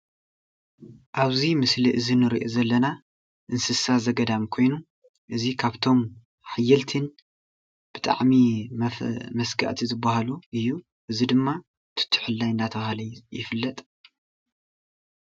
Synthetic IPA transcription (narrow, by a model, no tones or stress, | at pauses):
ʔaβzimɨsliʔɨzinɨɾḭʔozɐlːɐna | ʔɨnsɨsazɐɡɐd̪amkʰo̞jnu | ʔɨzikʰaβt̪ʰo̞m | ħajɐlt̪ʰɨn | b̥ɨt̪ʼa̰ʕmi | mɐsɡa̰ʔt̪ʰizɨbːaɦaluʔɨjːu | ʔɨzid̪ɨmːa | t̪ʰɨ̥t̪ʰːʊ̥ħɨlːajɨnd̪at̪ʰɐβahlɐjjɪfɨlːɐt̪ʼ